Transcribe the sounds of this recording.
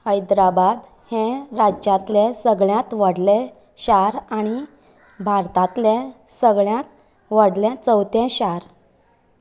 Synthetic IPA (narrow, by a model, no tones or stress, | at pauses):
əjd̪ɾabad̪ | hɛ̃ɾad͡ʑjãt̪lɛsəɡɭjãt̪ʋəɽlẽ | ɕaɾaɽ̃i | bʱaɾt̪ãt̪lɛ̃səɡɭjãt̪̚ | ʋəɽlɛ̃t͡səwt̪ɛ̃ɕaɾ